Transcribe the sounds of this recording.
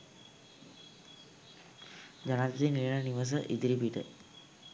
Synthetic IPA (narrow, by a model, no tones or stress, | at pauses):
d͡ʑanat̪d̪iniɾəɳəniʋəs̬əʔid̪ɾipiʈə̰